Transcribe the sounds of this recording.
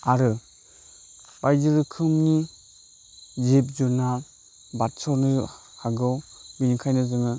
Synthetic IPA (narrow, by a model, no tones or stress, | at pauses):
aɾɯ | b̥ajzɯɾɯkʰɯmni | zep̚zunal | batsɔnɯ | haɡɯwbinikʰajnɯzɯŋɯ